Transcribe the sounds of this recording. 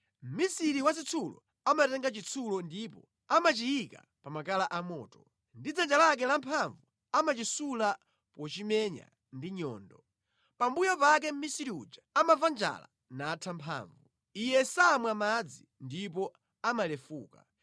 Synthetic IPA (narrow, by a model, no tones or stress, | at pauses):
m̩misiɾiwas̬it͡sʰulɔ̰ | amatɛŋɡat͡ʃit͡sʰulɔndipɔ | amat͡ʃiika̰ | pamakalaʔamɔ̰ːtɔ̥ | ndid͡zand͡ʒalak̬ɛlampʰaɱvu | amat͡ʃisula | pɔt͡ʃimɛɲa̰ | ndiɲɔ̰ːndɔ | pambujɔpak̬ɛm̩misiɾiṵd͡ʒaamavand͡ʒa̰la̰ | naːtʰampʰa̰ːɱvu | ijɛsamwamad͡zi | ndipɔ | amalɛfuːka̰